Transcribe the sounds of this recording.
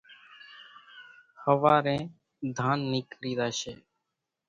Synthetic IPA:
həʋaːɾẽː | d̪ʱaːnːiːkɾiːd̪aːʃḛː

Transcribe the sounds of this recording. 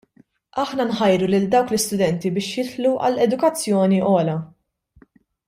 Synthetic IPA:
ɐħnɐnħɐjɾulɪld̪ɐwklɪst̪ʊd̪ɛnt̪ibɪːʃjɪt̪ħluʔɐ̰lɛd̪ʊkɐt͡sːjɔːniʔɔːlɐ

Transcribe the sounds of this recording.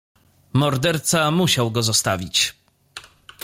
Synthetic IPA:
mɔɾd̪ɛɾt̪samuɕawɡɔzɔst̪avʲit͡ɕ

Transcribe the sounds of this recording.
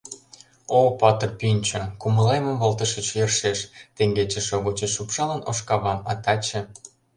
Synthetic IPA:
opɑt̪ərpinʲt͡ɕəkuməlejməmβolt̪əʃət͡ɕjərʃeʃt̪eŋɡet͡ɕĕʃoɣot͡ɕeʃupʃɑlənoʃkɑβɑmɑt̪ɑt͡ɕĕ

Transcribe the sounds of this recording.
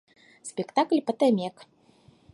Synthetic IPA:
sʲpʲɛkt̪aklʲpɐt̪ɛmʲɛk

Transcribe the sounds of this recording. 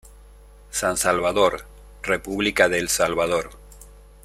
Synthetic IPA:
sansalβaðoɾ | repuβlikaðelsalβaðoɾ

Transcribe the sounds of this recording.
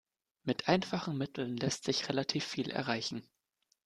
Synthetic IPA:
mɪtʔaɪnfaχn̩mɪtʰl̩nlɛstz̥ɪçʁelatʰiːfːiːlʔɛ̰ɐʁaɪçn̩

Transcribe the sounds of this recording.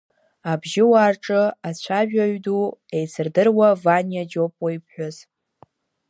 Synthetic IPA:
abʒɪwaːrʈ͡ʂʼɨat͡ɕʷʰaʒᶣaɥduejsɨrdɨrwavanjad͡ʒo̞pʼoipʰħᶣʷaz

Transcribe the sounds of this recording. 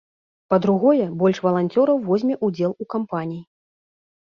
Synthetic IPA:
pɐd̪ɾuɣɔjɛbɔlʲʂvɐlˠanʲt͡sʲɔɾɐwvɔzʲmʲɛʔud͡zʲɛlˠukampanʲiji

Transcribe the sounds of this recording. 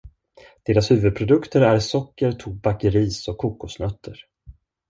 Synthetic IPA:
d̪̥eːɾashʉ̟ːvɵd̪̚pʰɾʊd̪ɵkt̪əɾæɾsɔkːəɾt̪ʰuːbakəɾiːsɔkʰːuːkʊsnœt̪ʰːəɾ

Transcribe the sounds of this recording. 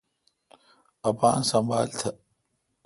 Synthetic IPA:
ɐpaːnsɐmbaːlt̪ʰɐ

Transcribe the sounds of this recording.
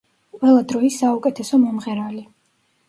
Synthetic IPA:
qʼwɛlˠad̪ɾɔisːaukʼɛt̪ʰɛsɔmɔmʁɛɾali

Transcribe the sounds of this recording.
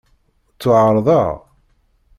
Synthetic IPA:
t͡sːʊʕəɾˤðˤɑʁ

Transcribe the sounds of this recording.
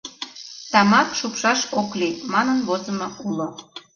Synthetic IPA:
t̪ɑmɑkʃupʃɑʃoklimɑnənβozəmoulo

